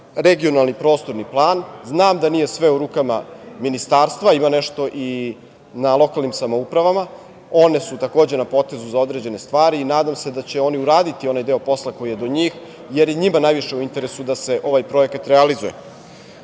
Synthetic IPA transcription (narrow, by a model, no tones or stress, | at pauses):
ɾeɡio̞nalˠnipɾo̞ːst̪o̞ɾniplˠaːnznaːmd̪anije̞sʋe̞uɾuːkamaminist̪aːɾst̪ʋaimaneʃt̪o̞ʔi | nalˠo̞kalˠnimsamo̞upɾaʋama | o̞ne̞sut̪akoːd͡ʑe̞napo̞t̪e̞zuzao̞d̪ɾed͡ʑe̞nest̪ʋaːɾiːnaːd̪amse̞d̪at͡ɕe̞o̞niuɾaːd̪it̪io̞najd̪e̞o̞po̞slˠako̞jije̞d̪o̞ɲiːx | jeɾjeɲimanajʋiʃe̞uint̪e̞ɾesud̪ase̞ʔo̞ʋajpɾo̞ekat̪ɾealizujḛ